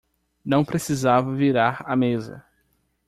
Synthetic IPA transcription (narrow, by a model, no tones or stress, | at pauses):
nɐ̃w̃pɾesizavɐviɾaɾamezɐ̰